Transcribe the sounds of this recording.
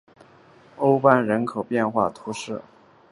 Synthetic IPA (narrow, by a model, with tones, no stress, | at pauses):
o˥ʊpa˥˩nɻə˧˥nkʰo˨˩ʊpjɛ˥˧nxwa̰˥˩t̪ʰu˧˥ʂɻ̩˥˩